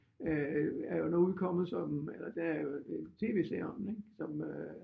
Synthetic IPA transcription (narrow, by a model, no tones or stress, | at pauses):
æɐjo̝noːuð̩ˠkʰɒ̽m̰ð̩ˠsɒ̽melɐd̥enæɐjo̝et͡sʰe̝̰ːʋesḛɒneɡ̥sɒ̽m